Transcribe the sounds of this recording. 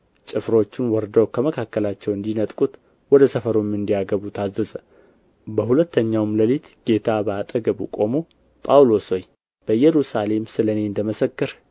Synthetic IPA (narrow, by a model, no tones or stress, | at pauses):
t͡ʃʼɨfɾo̞t͡ʃːɪnwɔɾd̪əwkʰəməkʰakːəlat͡ʃːɛwɨnd̪inət̪ʼkʼut̪ | wɔd̪əsəfəɾomɨnd̪ijaɡəβut̪ʰazːəzə | bəhulət̪ʰːəɲːawmləlit̪ɡ̥e̞t̪ʰabəat̪ʼəɡəβṵkʼo̞mo̞ | pʼawlo̞soj | b̥əjɛɾusale̞msɨləne̞nd̪əməsəkːɨɾ